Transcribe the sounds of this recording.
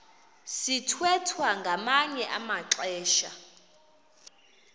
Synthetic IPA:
sitʰwɛtʰwaŋɡʱamaɲɛʔamaǁɛːʃa̰

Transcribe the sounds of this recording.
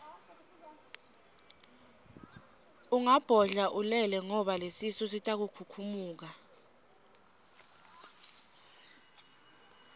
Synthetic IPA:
uŋab̥ʱɔɮaʔulɛlɛŋɔɓalesisɔsitʼak̬ukʰukʰumuːk̬a

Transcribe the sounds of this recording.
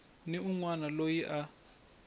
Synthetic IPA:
niuŋwanalojiʔa

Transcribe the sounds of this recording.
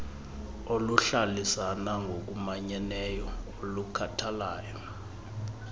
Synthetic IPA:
oluɬalisanaŋɡʱok̬ʼumaɲɛnɛjɔolukʰatʰalaːjɔ

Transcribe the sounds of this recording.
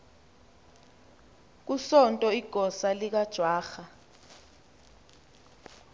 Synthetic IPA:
k̬usɔntʼɔiɡ̥ʱɔsalik̬ad̥ʒ̥ʱwaːxa

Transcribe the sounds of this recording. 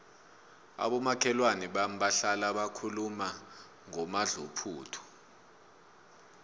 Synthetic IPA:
a̰ɓɔmakʰɛlwaniɓam̩ɓaɬalaɓakʰuluma | ŋɔmaɮupʰuːtʰɔ̥

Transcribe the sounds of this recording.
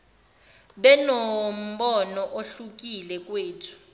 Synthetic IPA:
ɓɛnom̩ɓɔnɔʔoɬuk̬ilɛk̬ʼweːtʰu̥

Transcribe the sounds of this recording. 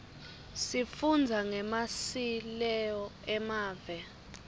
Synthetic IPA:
sifund͡zʱaŋɛmasilɛjɔɛmaːvɛ

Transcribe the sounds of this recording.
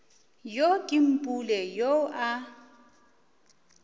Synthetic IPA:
jokʼɪm̩pʼulɛjoʔa

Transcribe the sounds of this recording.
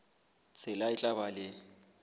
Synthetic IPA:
t͡sʼʰɪlaɪt͡ɬʼabalɪ

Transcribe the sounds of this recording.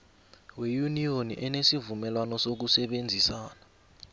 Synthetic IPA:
wejunijoniʔɛnesivumɛlwanɔsok̬usɛɓend͡zʱisaːna

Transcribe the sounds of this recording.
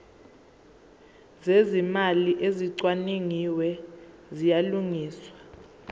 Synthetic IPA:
zezimaliʔeziǀwaniŋiwɛ | zijaluŋiːswa

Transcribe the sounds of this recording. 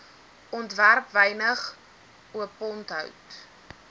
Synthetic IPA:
ɔntværpvɛjnəχ | uəpɔntɦœ̰wt

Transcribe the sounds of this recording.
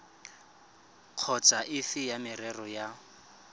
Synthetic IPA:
q͡χʰɔt͡sʼaʔɪfɪjamɪrɛrɔja

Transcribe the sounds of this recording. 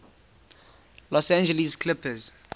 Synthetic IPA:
lɔsãnd͡ʒɛliskʰlɪpəz

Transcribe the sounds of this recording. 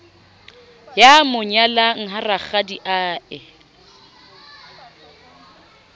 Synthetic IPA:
jamʊɲalaŋ̩ɦaraχadiʔaːɪ

